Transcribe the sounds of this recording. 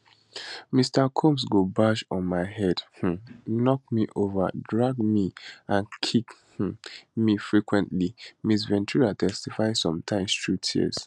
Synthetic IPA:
mistakʰũms̬ɡobaʃɔ̃nmaɪhɛd̥h̩nɔk̚miʔova̰dɹaɡmiʔãnkʰikh̩mifɹikwɛ̃ntlimis̬vɛ̃ntʰuɹatʰɛstifaɪsɔ̃mtʰãɪ̃mstɹutʰḭs

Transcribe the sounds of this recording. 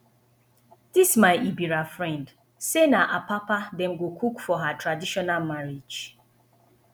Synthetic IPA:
dismaɪʔibiɾafɹɛ̃nd | senaʔapapadɛ̃mɡokʰukfɔɦatɹadiʃɔnalmaɹid͡ʒ

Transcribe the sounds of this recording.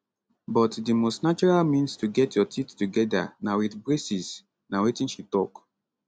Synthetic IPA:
bɔtdimostnat͡ʃɔɹalmĩnstuɡɛtjɔtʰittuɡɛda̰nawiθbɹesis | nawetĩnʃitɔk

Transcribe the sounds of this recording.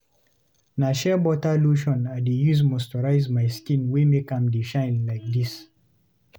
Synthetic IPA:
naʃɛbɔtaluʃɔ̃nadejuzmɔstɔɹaɪzmajskĩnwemekãmdeʃãjnlajk̚d̪is

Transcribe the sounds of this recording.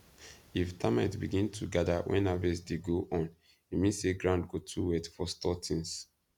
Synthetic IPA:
iftʰamatbiɡĩntʰuɡadawʔɛ̰̃nhavɛsdeɡoʔɔ̃n | imĩnseɡɹãʊ̃ndɡotʰuwɛtfɔstɔtʰĩŋs

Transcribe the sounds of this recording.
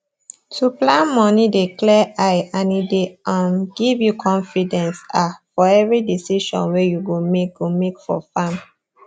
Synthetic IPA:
tʰuplãnmɔnidiklɛʔaɪanideʔãmɡivjukʰɔ̃nfidɛ̃nsafɔɛvɹidisiʃɔ̰̃nwɛjuwimekjumekfɔ̰fãm

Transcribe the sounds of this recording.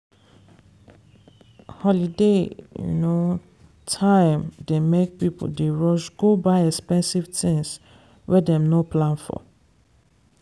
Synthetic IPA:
hɔlidejṵno | tʰãɪ̃mdemek̚pipo̰ldeɹɔʃɡobaɪɛkspɛ̃nsivtʰĩŋs | wʔɛdɛ̃mnoplãnfɔ̰

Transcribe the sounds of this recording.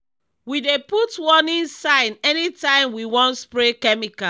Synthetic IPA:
wideputwɔnĩnsãɪnɛnitãɪ̃mwiwɔ̃ntspɹekɛmika

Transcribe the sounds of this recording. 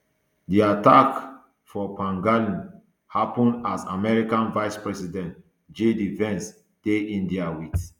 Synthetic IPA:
diatak | fɔpãŋɡalĩn | hapɔ̃ndasamɛɹikãnvaɪspɹɛsidɛ̃nt | d͡ʒedivɛ̃ns | d̥eĩndiawit

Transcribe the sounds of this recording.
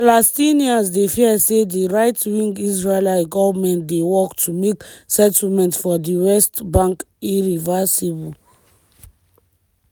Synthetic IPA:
palastiniasdefiəsediɹajtwĩŋɡisɹelajɡɔvəmɛ̃ndewɔktʰumeksɛtlmɛ̃ntfɔdiwɛstbãŋk | iɹivɛsibl

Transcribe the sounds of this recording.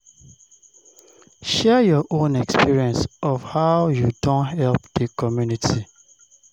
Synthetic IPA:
ʃɛjɔʔõnɛkspiɹiɛ̃nsɔfhaʊjudɔ̃nhɛlpd̥əkʰɔmjunitʰi

